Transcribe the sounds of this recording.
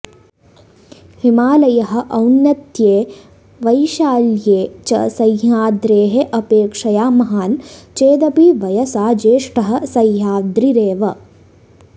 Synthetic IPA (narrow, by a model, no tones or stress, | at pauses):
himaːlɐjɐɦɐ̆ʔɐwnːɐt̪jeː | ʋɐjʃaːljeːt͡ʃɐ̰sɐjɦaːd̪ɾeːɦeʔɐpeːkʂɐjaːmɐɦaːnt͡ʃeːd̪ɐpiʋɐjɐsaːd͡ʒeːʂʈɐɦɐ̆sɐjɦaːd̪ɾiɾeːʋɐ